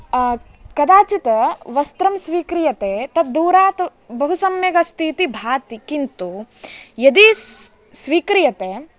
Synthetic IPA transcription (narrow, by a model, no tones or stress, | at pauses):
kɐd̪aːt͡ʃit̪ɐʋɐst̪ɾɐmsʋiːkɾijɐt̪eːt̪ɐt̪̚d̪uːɾaːt̪ɐ | bɐɦusɐmjɐɡɐst̪ʰiːt̪ibʱaːt̪ikint̪ujɐd̪i | sʋiːkɾijɐt̪eː